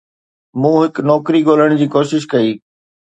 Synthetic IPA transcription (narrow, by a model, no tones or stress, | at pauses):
mũːɦɪknɔːkɾiɠoːləɽ̃d͡ʑiːkoːʃɪʃ̬kɐiː